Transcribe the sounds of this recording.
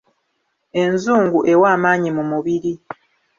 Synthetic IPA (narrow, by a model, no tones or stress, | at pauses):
e̞nzuːŋɡuʔe̞waːmaːɲimumuβiɾi